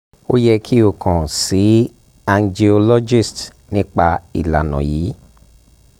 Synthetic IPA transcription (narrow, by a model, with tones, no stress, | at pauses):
o˦jɛ˧kʰi˦o˧˨kʰã˨si˨˦ | a˧nd͡ʒi˧ɔ˧lɔ˦d͡ʒi˦˨st | nĩ˦k͡pa˧ḭ˨la̰˨nɔ̰̃˨jiː˨˦